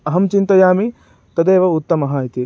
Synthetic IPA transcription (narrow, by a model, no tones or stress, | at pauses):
ɐɦɐmt͡ʃint̪ɐjaːmi | t̪ɐd̪eːʋɐut̪ːɐmɐɦɐːit̪i